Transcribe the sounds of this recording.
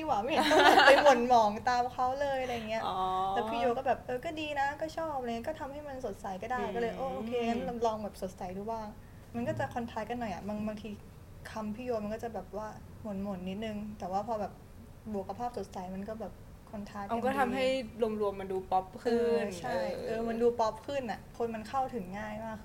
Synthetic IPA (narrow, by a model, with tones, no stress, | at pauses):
iː˧˩waː˨˦ma˥˩ja˨˩pa˧jmo˨˩˦nmɔː˨˩˦ŋt̪aː˧mkʰa˦˥wlɤː˧jʔa˧ɾa˧ja˨˩ŋːi˦˥ɐʔ̪ɛː˨˩piː˥˩joː˧kɔː˥˩bɛː˨˩p̚ʔɤː˧kɔː˥˩diː˧na˦˥kɔː˥˩t͡ɕʰɔː˥˩pa˧ŋi˦˥kɔː˥˩t̪ʰa˧mha˥˩jma˧nso˨˩t̪̚sa˨˩jkɔː˥˩daː˥˩jkɔ˥˩ɤː˧jʔoː˧ʔoː˧kʰeː˧ŋa˦˥n˧lɔː˧ŋbɛː˨˩p̚so˨˩t̪̚sa˨˩˦jduː˧˩baː˥˩ŋ | ma˧nkɔː˥˩t͡ɕa˨˩kʰɔ˧nt̪ʰaː˦˥jka˧nːɔ˨˩jʔa̰˨˩baː˧ŋbaː˧ŋt̪ʰiː˧ | kʰa˧mpʰiː˥˩joː˧ma˧nkɔː˥˩t͡ɕa˨˩bɛː˨˩p̚waː˥˩ | mo˩˦nmo˨˩˦nnːi˦˥t̪̚nɯ˧ŋt̪ɛː˨˩waː˥˩pʰɔː˧bɛː˨˩p̚ | bu˨˩kʰa˧pʰaː˥˩p̚so˨˩˦t̪̚sa˨˩˦jma˧nkɔː˥˩bɛː˨˩p̚ | kʰo˧nt̪ʰaː˧˥ka˧kɔː˥˩t̪ʰa˧mɦa˥˩jlu˧mɾu˧əmːa˧nduː˧pɔ˦˥p̚kʰɯː˥˩˧t͡ɕʰa˥˩jʔɤː˧ma˧nduː˧pɔ˦˥p̚kʰɯ˥˩nʔa˨˩ʔkʰo˧nma˧nkʰa˥˩wt̪ʰɯ˩˦ŋːaː˥˩jmaː˥˩k